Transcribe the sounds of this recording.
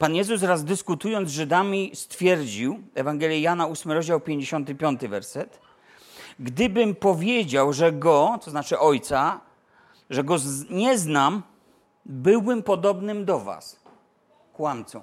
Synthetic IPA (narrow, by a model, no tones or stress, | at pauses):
panjɛzusɾazd̪ɘskut̪ujɔnd̪ʐɘd̪amʲist̪fʲjɛɾd͡ʑiwɛvaŋɡɛlʲjɛjanausmɘɾɔʑd͡ʑawpʲjeɲd͡ʑeɕɔnt̪ɘpʲjɔnt̪ɘvɛɾsɛt̪ | ɡd̪ɘbɘmpɔvʲjed͡ʑawʐɛɡɔt̪sɔznat͡ʂɘʔɔjt̪sa | ʐɛɡɔɲɛznam | bɘwbɘmpɔd̪ɔbnɘmd̪ɔva̰s | kwant̪sɔ̰̃w̃